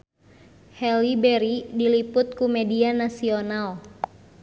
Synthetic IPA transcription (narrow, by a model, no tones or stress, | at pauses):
hɛlibɛɾidilipʊt̪̚kumɛdianasional